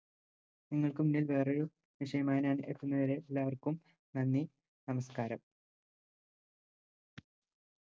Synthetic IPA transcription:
niŋːɐɭkɨmunːilʋe̞ːroɻu | ʋiʂɐjɐmaːjinaːnet̪ːunːɐʋɐɾeelːaːʋɐrkum | nɐnːi | nɐmɐskaːɾɐm

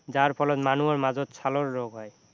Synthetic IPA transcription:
zaɹpʰɔlɔt̪manuɔɹmazɔt̪sʰalɔɹːɔɡɦɔj

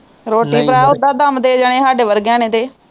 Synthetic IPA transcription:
ɾoːʈiːpɾaːʊd̪aːd̪əmd̪eːd͡ʒaɽ̃ẽːɦaːɖeːʋəɾɡjãːneːt̪eː

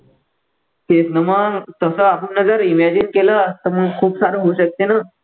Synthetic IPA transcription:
kesnəmət̪əsəːapəɳːəd͡zəɾimæd͡ʑinkeləst̪əməɡkʰuːpsaɾuɦouɕək̚t̪ena

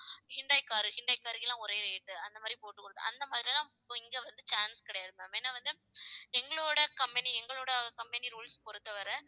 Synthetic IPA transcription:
hɪɳɖɐɪkːaːɾɯhɪɳɖɐɪkːaːɾɪkɪlãːʊɾɐjɪɾɐjɪʈːɯɐnd̪ɐmaːd̪ɾipoːʈːɯkːɯɽɐðɯ̰ʔɐ̰nd̪ɐmaːðɪɾilãː | ɪŋɡeːʋɐnd̪ɯt͡ʃaːnskɪɽɐjaːðɯmaːmeːnːaːʋɐnd̪ɯ | ɛŋɡɐɭoːɽɐkɐmbɛniɛŋɡɐɭoːɽɐkɐmpɛniɾuːlspɔɾɯt̪ːɐʋɐɾɐ

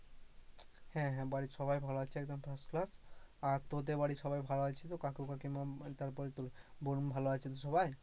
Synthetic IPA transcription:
hɛ̃ɦɛ̃baɽiʃɔbajbʱaloat͡ɕʰeɛk̚d̪ompʰɾasklasaɾt̪ot̪̬ebaɽiʃɔbajbʱaloat͡ɕʰet̪okakewkakimat̪aɾpɔɾit̪olbonbʱaloat͡ʃʰit̪oʃɔbaj

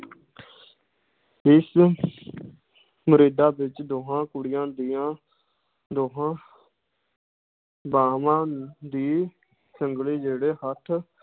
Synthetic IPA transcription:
ɪs | məɾeːd̪aːbɪt͡ʃd̪oːɦãːkʊɽɪjãːd̪ijãː | d̪oːɦãː | baːmãːd̪iː | səŋɡliːd͡ʒeːɽeːhət̪ʰ

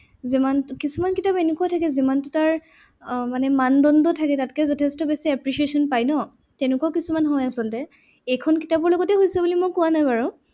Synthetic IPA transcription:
zimankisumankitapenukuatʰakɛzimantutaɹ | manɛmandɔndɔtʰakɛtatkɛzɔtʰɛstɔbesiɛpɹisiesɔnpajnɔ | tɛnʊkawkisumanɦɔjasɔltɛ | ejkʰɔnkitabɔɹlɔɡɔtɛɦojsɛbulimokʊwanajbaɹɔ

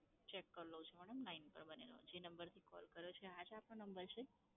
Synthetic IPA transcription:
t͡ʃekːəɾlot͡ʃʰeməɽəmlainpə̰ɾbənḛlo̰d͡ʒenəmbəɾt̪ʰikɔ̰lkəɾjot͡ʃʰead͡ʒapnõnəmbəɾt͡ʃʰe

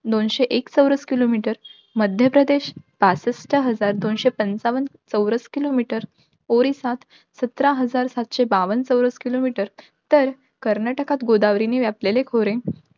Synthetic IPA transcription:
d̪onɕeʔekt͡səwɾəskilomiʈəɾ | məd̪ʱjəpɾəd̪eɕb̥asəsʈʰəɦəd͡zaɾd̪onɕepənt͡saʋən | t͡səwɾəskilomiʈəɾ | oɾisat̪ʰ | sət̪ɾaɦəd͡zaɾsat̪ɕebaʋənt͡səwɾəskilomiʈəɾ | t̪əɾ | kəɾnaʈəkat̪ɡod̪aʋɾiniʋjaplelekʰoɾẽ

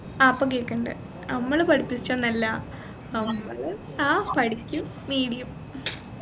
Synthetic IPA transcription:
aːɐpːoŋkeːkːɐɳɖɨ̰ | ɐmːɐɭpɐɽipːisi̥t͡ɕːonɐlːɐ | ɐmːɐɭ | aːpɐɽikʲːum | ʋiːɽijum

